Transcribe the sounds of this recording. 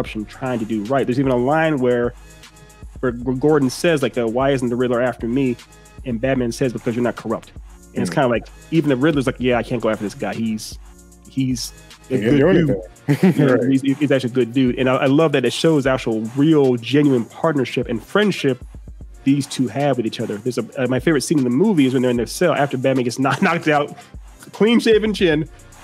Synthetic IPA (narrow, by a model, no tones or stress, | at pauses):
ʌpʃn̩tʰɹ̥aɪɪ̃ŋtʰɨdɨɹaɪt̚ðə˞zivɨ̃nəlãɪ̃nwə˞ | wə˞əɡɔɹdⁿn̩sɛzlaɪk̚ɨwaɪɪzn̩ðɨɹɪdˡlˠə˞æftə˞mi | ɨ̃nbæd̚mɨ̃nsɛzbɨkʰʌzjə˞nət̚kʰə˞ʌp̚t | ɨ̃nɨtskʰãɪ̃ndəvlaɪk | ivɨ̃n̩ðɨɹɪdˡlˠə˞zlaɪkjæaɪkʰæ̃nɡ̥oʊæftə˞ðɪsɡ̥aɪhiz̥ | iz̥ | ɨɡʊdʉ | jɨnoizizækt͡ʃʉl̩iɡʊdʉɾʔɨ̃naɪʔaɪlʌvðɨɾɨtʃoʊzæk̚t͡ʃl̩ˠɹilˠd͡ʒɛ̃njʉɨ̃npʰɑɹtⁿnə˞ʃɪpɨ̃nfɹɛ̃nd̥ʃɪp̚ðiz̥tʰʉɨvwɨðit͡ʃʌðə˞ðə˞zəʌmaɪfeɪvɹɨtsĩñɨ̃nðəmuviɨzwɨ̃nðə˞ɨ̃nðə˞sɛlˠʔæftə˞bæd̚mæ̃nɡɛtsnətⁿnɑk̚taʊt̚ | kʰl̥ĩnʃeɪvɨ̃nt͡ʃʰɪ̃n